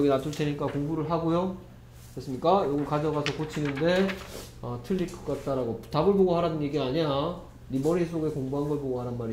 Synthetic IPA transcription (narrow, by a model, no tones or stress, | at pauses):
ʌɡinatʰuɭtʰe̞ɲik͈akoŋbuɾɯɭɦaɡojo | kɾes͈ɯmɲik͈ajoɡɯɭkad͡ʑʌɡasʰʌkot͡ɕʰinɯnde̞ | ʌtʰɯʎːikʰɯ̥k͈at̚t͈aɾaɡoptabɯɭboɡohaɾadɯnɡeɡiaɲija | ɾimʌɾisʰoɡe̞koŋbuɦaŋɡʌɭpoɡohaɾanmaɾi